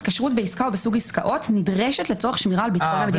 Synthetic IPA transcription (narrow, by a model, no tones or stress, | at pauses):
tkaʃʁutbe̞iskaobesuɡiskaʔo̞tnidʁeʃetlet͡soaχʃmiʁaːlbit̪onamed̪i